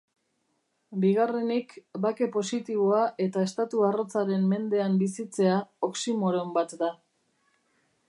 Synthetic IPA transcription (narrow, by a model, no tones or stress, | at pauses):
biɣ̞are̞nikbake̞po̞sit̪iβ̞o̞aʔe̞t̪ae̞st̪at̪uaro̞t͡saɾe̞mːe̞nd̪e̞ambisit͡se̞ao̞ksimoɾo̞mbat̪d̪a